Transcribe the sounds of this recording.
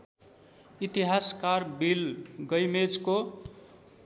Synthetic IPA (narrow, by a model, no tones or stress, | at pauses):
it̪iɦaskarbilɡʌjmed͡zko